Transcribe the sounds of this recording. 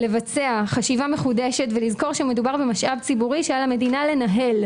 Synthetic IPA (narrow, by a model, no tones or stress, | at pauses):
le̞vat͡seaχaʃivame̞χudeʃetvelizko̞ʁʃeme̞dubaʁbemaʃʔavt͡sibuʁiʃealame̞dinale̞naɦe̞l